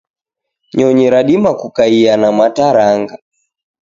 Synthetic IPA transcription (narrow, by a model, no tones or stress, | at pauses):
ɲɔɲiɾaɗimakukaianamataɾaŋɡa